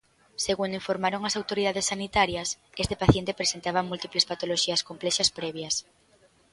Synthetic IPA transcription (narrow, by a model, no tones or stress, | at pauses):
seɣund̪ʊiɱfoɾmaɾoŋɐsawt̪oɾiðaðesːanit̪aɾjɐsest̪epaθjent̪epɾesent̪aβɐmult̪iplespat̪oloʃiɐskomplɛʃɐspɾɛβjɐs